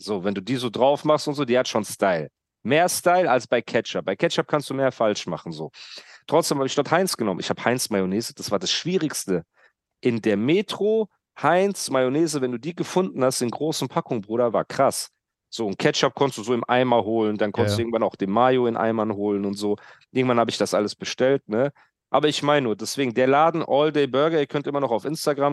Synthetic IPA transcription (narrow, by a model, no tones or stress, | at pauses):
z̥oːvɛnduːdiːzoːdʁaʊfmaχstʊntz̥oːd̥iːhatʃoːnstaɪl | meːɐstaɪlalsb̥aɪkʰɛt͡ʃap̚b̥aɪkʰɛt͡ʃap̚kʰanstd̥uːmeːɐfalʃma̰χn̩zoːtʁ̥ɔt͡ssd̥eːmhaːbɪçd̥ɔɐthaɪnsɡ̥ənɔmənɪ̰çhaːbə̥haɪnsmajoneːzəd̥asv̥aːɐdasʃv̥iːʁɪkstə | ʔɪndeːɐmeːtʁ̥oː | haɪnsmajoneːzəvɛnduːdiːɡəfʊndn̩hast̚d̥eːnɡʁoːsn̩pʰakʊŋbʁuːɾɐva̰ːɐkʁ̥as | z̥oːntkʰɛt͡ʃap̚kʰɔntəstd̥uːzoːɪmʔa̰ɪmaɦoːlənd̥ankʰɔntsduɪɡŋ̩tvanaʊxd̥eːnmaːjoɪnʔa̰ɪmanɦoːlənʊntz̥oːʔɪɐɡŋ̩tv̥anhaːbəɪçd̥asʔa̰ləsb̥əʃtɛltnə | ʔa̰ːbɐɪçmaɪnənuːɐdɛsv̥eːɡŋ̩deːɐlaːdn̩ʔɔldeːbœɐɡɐiːɐkʰœntʔɪmɐnɔχaʊfʔɪnstaɡʁam